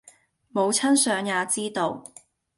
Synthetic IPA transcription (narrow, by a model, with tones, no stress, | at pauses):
mo˨˧wt͡sʰɐ˥nsœː˨˧ŋjaː˨˧t͡siː˥t̪o˧w